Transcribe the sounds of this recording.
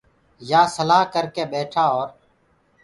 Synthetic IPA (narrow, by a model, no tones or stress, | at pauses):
jaːsəlaːɦkəɾkeːɓeːʈʰaːoːɾ